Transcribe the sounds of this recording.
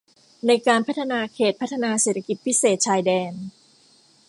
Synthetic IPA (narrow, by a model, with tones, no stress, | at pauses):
na˧jkaː˧npʰa˦˥t̪ʰːa˧naː˧kʰeː˨˩t̪̚pʰa˥t̪ʰːa˧naː˧seː˨˩t̪ʰa˧ki˨˩t̪̚pʰi˦˥seː˨˩t̪̚t͡ɕʰaː˧jdɛː˧n